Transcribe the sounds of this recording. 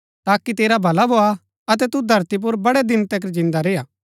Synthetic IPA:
t̪aːkit̪eːɾabʱɐlabʱoːa | ɐt̪̬ɛt̪ud̪ʱɐɾt̪ip̬ʊɾbɐɽɛd̪ɪnt̪ek̬əɾd͡ʒɪ̃nd̪aɾeːaː

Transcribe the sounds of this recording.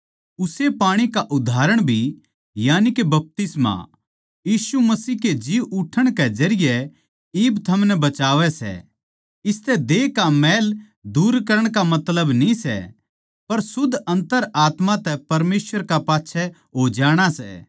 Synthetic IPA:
ʊsepaːɽ̃ikaʔʊd̪ʱaːɾəɽ̃bʱi | jaːnikebɐp̚t̪ɪsma̰ | jiːsumɐsiːɦked͡ʒiʋʊʈʰːəɽ̃kɛd͡ʒɐɾɪjɛ | iːbt̪ʰɐmnɛbɐt͡ʃaːʋɛsɛ̰ | ɪst̪ɛd̪eːkamɛːl | d̪uːɾkɐɾəɽ̃kamɐt̪ləbnĩsɛ̰ | pɐɾsʊd̪ʱɐ̃nt̪əɾaːt̪mãt̪ɛpɐɾmeːsʋəɾkapaːtːʃʰɛ | ɦoːd͡ʒaːɽ̃asɛ̰

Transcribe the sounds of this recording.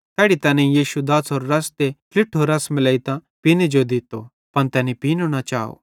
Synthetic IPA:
t̪ɛːɽit̪ɛːnẽijiːʃud̪aːsɔːɾɾɐst̪ekʰlɪʈʰːɔːɾɐsmɪlɐit̪ãpinid͡ʒod̪it̪o̰ | pɐnt̪ɛːnipiːnoɽ̃at͡ʃaːo̰

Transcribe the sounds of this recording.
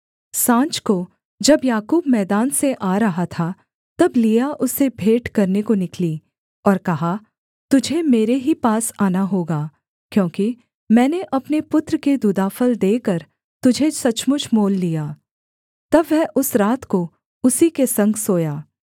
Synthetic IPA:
sãːt͡ʃko | d͡ʒɐbjaːkuːbmɛːd̪aːnseʔaːɾɐɦat̪ʰa | t̪ɐblijaʔʊsebʱeːʈkɐɾnekonɪkliː | ɔːɾkɐɦa | t̪ʊd͡ʒʱemeːɾeɦipaːsaːnaɦoːɡaː | kjõːki | mɛ̃ːneʔɐpnepʊt̪ɾəked̪ud̪aːfəld̪eːkɐɾ | t̪ʊd͡ʒʱesɐt͡ʃmʊt͡ʃʰmoːlːijaː | t̪ɐbʋɛʔʊsɾaːt̪ko | ʊsikesɐ̃ŋɡsoːjaː

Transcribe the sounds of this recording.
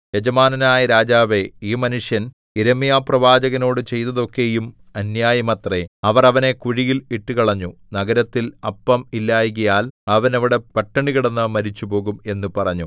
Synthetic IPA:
jed͡ʑɐmaːnɐnaːjɐɾaːd͡ʑaːʋe̞iːmɐnuʂjɐn | iɾɐmijaːprɐʋaːd͡ʑɐɣɐno̞ːɽɨt͡ɕe̞jt̪ːɐðo̞kːe̞jum | ɐnjaːjɐmɐt̪reɐʋɐrɐʋɐne̞kuɻijiliʈːukɐɭɐɲːunɐɣɐɾɐt̪ːilɐpːɐmilːaːjɣɐjaːlɐʋɐnɐʋiɽe̞pɐʈːɐɳiɣiɽɐnːɐmɐɾit͡ɕːupo̞ːɣume̞nːupɐrɐɲːu

